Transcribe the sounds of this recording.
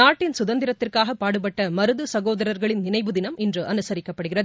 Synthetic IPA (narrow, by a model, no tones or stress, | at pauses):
aːʈːɪnsʊðɐnd̪ɪɾɐt̪ːɪrkaːɣɐpːaːɽɯp̬ɐʈːɐmɐɾɯðɯsɐɣoːðɐɾɐɾɣɐɭɪnnɪnɐɪʋɯðɪnɐmɪndrɯʔɐnɯsɐɾɪkːɐpːɐɽɯɣɪrɐð